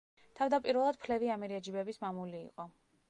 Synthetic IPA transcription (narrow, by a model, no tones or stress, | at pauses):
t̪ʰavd̪apʼiɾvɛlˠad̪̚pʰlɛviamɛɾiad͡ʒibɛbismamulḭːqʼɔ